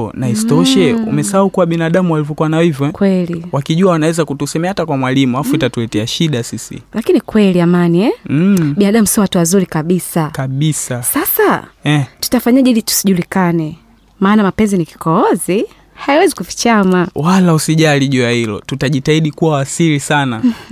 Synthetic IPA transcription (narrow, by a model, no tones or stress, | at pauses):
naistɔʃɛṵmɛsaaukuwaɓinaɗamuwalivjɔkuwanaɔhivjɔɛkwɛliwakiʄuawanawɛzakutusɛmɛahatakwamwalimuafuitatulɛtɛaʃiɗasisḭlakinikwɛliamaniɛɓinaɗamusiɔwatuwazuɾikaɓisakaɓisasasaɛtu̥tafaɲaʄɛilitu̥siʄulikanɛ | maːnamapɛnziniki̥kɔɔzi | hajiwɛzikuvit͡ʃamawalausiʄaliʄuahilɔ̰tutaʄitaiɗikuwawasilisana